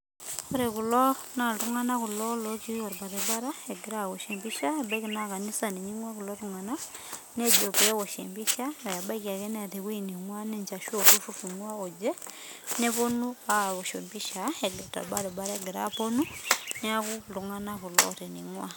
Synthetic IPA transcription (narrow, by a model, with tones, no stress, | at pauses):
ko˦ɾe˨ku˨lɔ˦ | na˨du˦ŋa˦na˦ku˨lɔ˦lɔ˦ki˦o˨ɾba˨ðe˨ba˦ɾa˦e˨ɡe˨ɾa˦˨wo˨ʃe˨mbi˦ʃa˦e˨bɛ˦ki˨na˦ka˨ni˦sa˨ne˨ɲi˦ŋwa˦ku˨lɔ˦tu˦˨ŋa˨na˦ | ne˦d͡ʒo˨pɛ˦wɔ˨ʃḛ˨mbi˦ʃa˦a˨ja˨ba˦ki˨a˨ke˦nɛ˦a˨te˨kwe˦ni˨ŋwa˦ne˦ɲt͡ʃa˨ʃo˦˨ku˦fu˦fi˨ŋwa˦o˨d͡ʒɛ˦ | ne˦po˦nu˦a˦˨βo˨ʃo˨mbi˦ʃa˨e˨ɡɛ˨ta̰˨ba˦ɾɛ˨ba˦ɾa˦ɛ˦ɡe˨ɾa̰˦po˦nu˦ne˦a˦ku˦tu˨ŋa˦na˦ku˨lɔ̰˦ɾe˨ni˨ŋwa˦